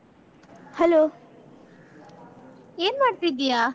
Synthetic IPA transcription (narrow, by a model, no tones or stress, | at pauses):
hɛloː | eːnmaːɽt̪id̪ijaː